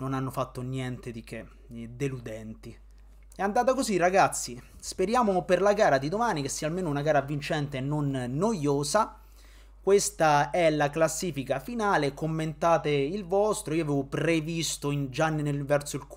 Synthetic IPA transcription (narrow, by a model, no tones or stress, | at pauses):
nonanːofat̪ːonjɛnt̪ed̪ik̟e | d̪elud̪ɛnt̪i | ɛand̪aːt̪akozirːaɡat̪sːi | speɾjaːmoperlaɡaːɾad̪id̪omaːnik̟esːiːaːlmeːnounaɡaːɾavint͡ʃɛnt̪enːonːojoːza | kwest̪aɛlaklasːiːfikafinaːlekomːent̪aːt̪eilvɔst̪ɾoiːoaveːvopɾevist̪oind͡ʒanːenelvɛrt̪soilk